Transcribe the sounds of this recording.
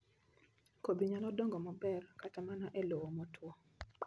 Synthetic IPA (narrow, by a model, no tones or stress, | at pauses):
kobiɲalɔdɔŋɡɔmɔbɛrkatamanaʔelowomɔtʰwɔ